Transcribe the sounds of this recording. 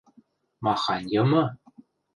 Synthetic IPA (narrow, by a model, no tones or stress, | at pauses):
mɑχɑnʲjɤ̆mɤ̆